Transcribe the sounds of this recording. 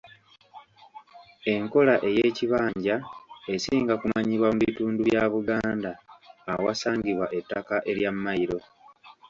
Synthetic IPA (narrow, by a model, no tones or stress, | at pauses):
e̞ŋko̞laʔe̞je̞ːciβaːɲɟae̞siːŋɡakumaɲiβwamuβituːnduβjaːβuɡaːndaːwa̰saːɲɡiβwaʔe̞tːakaʔe̞ɾjamːajiɾo̞